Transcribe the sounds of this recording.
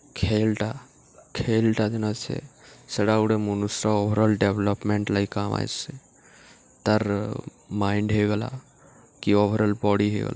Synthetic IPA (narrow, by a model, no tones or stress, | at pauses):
kʰeːlʈa | kʰeːlʈad͡ʒenat͡ʃʰḛsəɽauɽemunusɾaobʱəɾəlɖebləpmẽɳʈlaikaːma̰j̰se | t̪əɾ | maːɪɳɖɦeɡəla̰ | kioːbʱəɾəlbɔːɽiɦḛɡ̰la